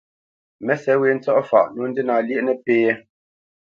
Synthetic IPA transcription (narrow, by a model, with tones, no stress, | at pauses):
mɛ˦sɛ˨˦we˨˦n̩˦t͡sɔ˦ʔɔ˦fa̰˨ʔnu˨˦n̩˦di˦na˨lji˦ʔnɛ˨peː˦ɛ˦